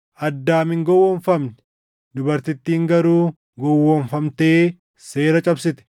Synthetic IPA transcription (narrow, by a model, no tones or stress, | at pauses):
ʔɐd̪ːaːmɪŋɡɔwːɔɱfɐmnɛ | d̪ʊbɐɾt̪ɪt̪ːiːŋɡɐɾuː | ɡɔwːɔɱfɐmt̪e̞ː | se̞ːɾɐt͡ʃʼɐbsɪt̪ɛ̥